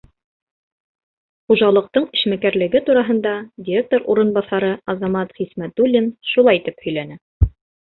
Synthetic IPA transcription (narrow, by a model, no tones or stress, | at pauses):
χuʒɑlˠɤ̆q̚t̪ɤɴɘ̆ʃmækæɾlɘ̆ɡɘt̪uɾɑɦɤ̆nd̪ɑdʲiɾʲek̚t̪oɾuɾɤ̆nbɑθɑɾɤɑzɑmɑt̪ʁismæt̪ulʲːinʃulˠɑjt̪ɘphɵ̆jlænɘ